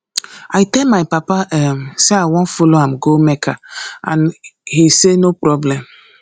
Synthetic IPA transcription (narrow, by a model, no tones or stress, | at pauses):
ajtɛlmajpapaʔɛmseaɪwɔ̃nfoloãmɡomekʰaã̰nhisenopɾɔblɛ̃m